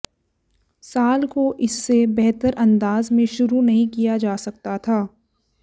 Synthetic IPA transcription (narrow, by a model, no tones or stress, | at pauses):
saːlkoʔɪsːebɛɦt̪əɾɐ̃nd̪aːzmẽʃʊɾunɐɦĩkijad͡ʒaːsɐk̚t̪at̪ʰaː